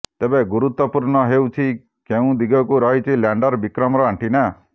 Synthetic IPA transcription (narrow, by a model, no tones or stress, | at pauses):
t̪ebẽɡuɾut̪wɔpuɾnɔɦewt͡ʃʰi | keũd̪iɡɔkuɾɔɦet͡ʃʰiljaɳɖɔɾbikɾɔmɾɔɦaɳʈina